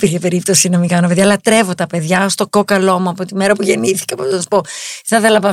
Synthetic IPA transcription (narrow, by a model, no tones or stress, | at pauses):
piɾçepe̞ɾip̚t̪o̞sinɐmikɐnope̞ðjɐlɐt̪ɾe̞vo̞t̪ɐpe̞ðʝɐst̪o̞kokɐlo̞muɐpot̪imeɾɐpuʝe̞niθi̥kɐpossɐsu̥po̞θɐθelɐpɐ